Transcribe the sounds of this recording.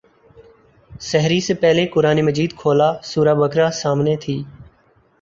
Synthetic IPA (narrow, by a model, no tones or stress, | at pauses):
səɦɾiːseːpɛɦleːkʊɾaːniːməd͡ʒiːd̪kʰoːlaːsuːɾaːbəkɾaːsaːmneːt̪ʰiː